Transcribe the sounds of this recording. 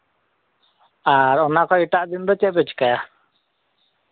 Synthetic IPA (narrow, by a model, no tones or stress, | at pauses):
aɾɔnakɔiʈaʔd̪inɾɔt͡ʃɛʔpɛt͡ʃkaja